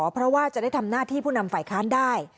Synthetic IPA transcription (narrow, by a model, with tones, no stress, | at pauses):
pʰɾɔ˦˥waː˥˩t͡ɕa˨˩ʔda˥˩jt̪ʰa˧mnaː˥˩t̪ʰiː˥˩pʰuː˥˩na˧mfaː˨˩jkʰaː˦˥ndaː˥˩j